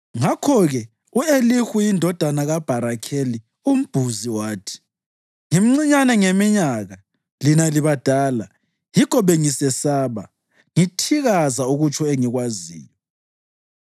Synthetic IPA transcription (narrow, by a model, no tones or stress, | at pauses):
ŋakʰɔɣɛ | uelixujindʱɔd̥ʱanaɣab̥ʱaɾakʰeli | um̩b̥ʱuziwaːtʰi̥ | ŋim̩ŋ͡ǀiɲanɛŋemiɲaɣa | linaliβad̥ʱaːla | jikʰɔβeŋisɛsaːβa̰ | ŋitʰiɣazauɣut͡ʃʰɔeŋiɣwazḭːjɔ